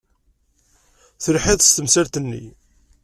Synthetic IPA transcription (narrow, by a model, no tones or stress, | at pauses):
θəlħɪðst̪əmsaɾt̪ənːḭ